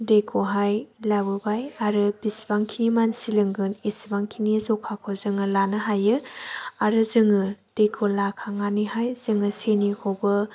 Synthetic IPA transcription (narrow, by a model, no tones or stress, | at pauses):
dekʰoɦajlabɯbajaɾɯbisbaŋkʰinimansilɯŋɡɯnisbaŋkʰinizɔkʰakʰɔzɯŋɯlanɯɦajɯaɾɯzɯŋɯd̥ekʰolakʰaŋanihajz̥ɯŋɯsenihobɯ